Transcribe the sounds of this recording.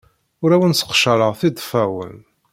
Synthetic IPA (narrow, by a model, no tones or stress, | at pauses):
ʊɾæwənsə̥qʃəɾəʁθid̪ˤfæwə̰n